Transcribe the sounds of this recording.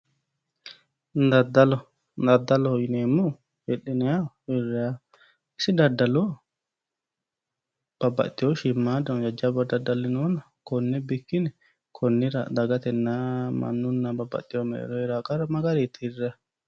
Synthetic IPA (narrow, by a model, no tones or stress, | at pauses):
ndadalɔ | ndad̪alɔhɔjnɛmu | heɗːinɛa | iɾːɛa | sidadːalɔ | b̥aba̰t̪ːiɔʃimːadɔd͡ʒad͡ʒabadadːalinɔna | kɔnːɛbikːinɛ | kʰɔnːiɾa̰d̪aɡat̪ɛnːama̰nːunːababːa̰t̪ːiɔmɛ̰ɗɛ̰ɾɔiɾaɡaɾamaɡaɾit̪ʰirːa